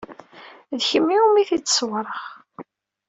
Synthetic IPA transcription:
ðçəmːiumiθit͡sːə̥swɾˤəʁ

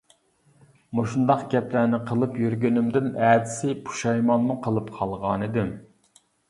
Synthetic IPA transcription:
moʃund̪ɑqɡʲɛplæːnɪqʰəlˠɨpjyɾɡʲynɪmd̪ɪnæd̪ɪsɪpʰu̥ʃɛjmɑnmuqʰəlˠɨpqʰɑlˠʁɑːnɨd̪ɪm

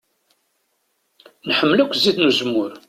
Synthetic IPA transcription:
nħəmːlækʷːziðnuzəmːʊɾ

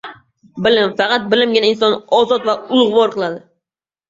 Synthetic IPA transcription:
bɪlɪmfɑqɑt̪̚bɪlɪmɡʲɪnaɪnsɒnɒzɒt̪vaʊlˠʁvɒɾqʰɨlˠad̪ɪ

